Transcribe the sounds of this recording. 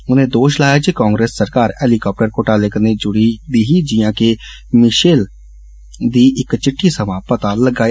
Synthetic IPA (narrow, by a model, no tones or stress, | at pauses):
ʊnẽːd̪oːʃlaːjaːd͡ʒikãːŋɡɾeːsːəɾkaːɾɛːlikaːp̚ʈəɾkoʈaːlekneːd͡ʒʊɽid̪iːɦiːd͡ʒɪjãːke | mɪʃeːl | d̪iːʔɪkt͡ʃɪʈʰːiːsəmaːpət̪aləɡaː